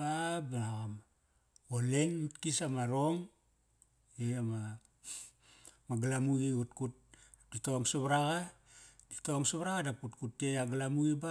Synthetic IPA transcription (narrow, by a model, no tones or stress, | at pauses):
abalaɣam | olenmitkisamaɾo̞ŋ | eama | maɡalamuɡiutkut̚ | d̥itoaŋsuβaɾaɡaditoaŋsuβaɾaɣadaputkutːejaɡalamuɡiba